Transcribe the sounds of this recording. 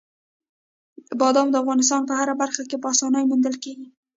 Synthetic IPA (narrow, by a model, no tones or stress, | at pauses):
bɑd̪ɑmd̪əafɣɑnɪs̬t̪ɑnp̬əhaɾabaɾxakepəɑsɑnəjmund̪əlkeɡi